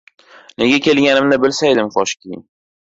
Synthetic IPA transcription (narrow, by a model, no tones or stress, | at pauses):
ne̞ɡʲakʲe̞lɡʲanɪmnɪbɪlsajd̪ɪmχɒʃkʲejɪ̰ŋ